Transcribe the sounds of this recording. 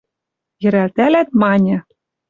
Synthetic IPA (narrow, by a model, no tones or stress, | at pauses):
jɘ̆ɾælt̪ælæt̪̚mɑnʲɤ̆